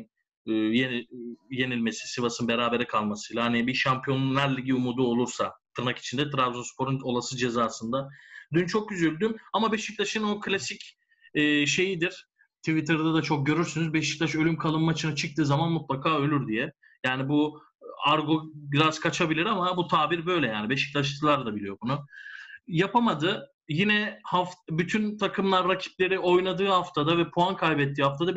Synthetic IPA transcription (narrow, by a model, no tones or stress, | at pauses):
jenje̞nilʲme̞si̥sivasɯnbe̞ɾaːbe̞ɾɛkʰalˠmasɯjlˠahanibiʃampʰjo̞nlaɾlːʲiɟiumud̪uo̞lˠuɾsat̪ʰɯɾnaki̥t͡ʃʰind̪ɛt̪ʰɾavzunspʰo̞ɾuno̞lˠasɯd͡ʒe̞zaːsɯnd̪ad̪ynt͡ʃʰo̞k̚ɟyzylʲd̪ymamabeʃic̚t̪ʰaʃɯnokʰlʲasic | ɛːʃe̞jid̪iɾ̥ | t̪ʰivit̪ʰɯɾd̪ad̪at͡ʃʰo̞k̚ɟø̞ɾyɾsynyzbeʃi̥clʲaʃø̞lʲymkʰalˠɯmmːat͡ʃʰɯnat͡ʃʰɯk̚t̪ʰɯːzamanmut̪lˠakʰaːø̞lʲyɾd̪ijɛ | jaːnibu | aɾɡoɡɾaskʰat͡ʃʰabilʲiɾamabut̪ʰaːbiɾbø̞jlʲɛjaːnibeʃi̥clʲaʃt̪ɯlˠaɾd̪abilʲijo̞bunʊ | japamad̪ɯ | jinɛhafbyt̪ʰynt̪ʰakʰɯmlˠaɾːacʰi̥plʲe̞ɾio̞jnˠad̪ɯːhaft̪ʰad̪avɛpʰuankʰalʲbɛt̪ʰːiːhaft̪ʰad̪a